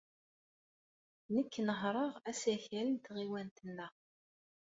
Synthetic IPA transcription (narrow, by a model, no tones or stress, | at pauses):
nəkːnəɦɾˤəʁæsæçælint̪ʁiwænt̪ənːə